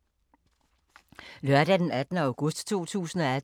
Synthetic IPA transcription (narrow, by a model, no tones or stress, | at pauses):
lɶɐɾ̥æd̥enæd̥nəɑ̈ʊɡ̥ɔ̽sd̥t͡sʰo̝̰ːt͡sʰṵːsn̩ɒ̽æ